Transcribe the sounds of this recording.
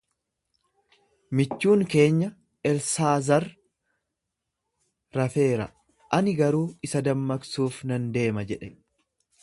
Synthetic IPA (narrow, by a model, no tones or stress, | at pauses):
mɪt͡ʃːuːŋke̞ːɲːɐ | ɛlsaːzɐɾ | ɐfe̞ːɾɐ̰ | ʔɐnɪɡɐɾuːɪsɐd̪ɐmːɐksuːfnɐnd̪e̞ːmɐd͡ʒɛᶑɛ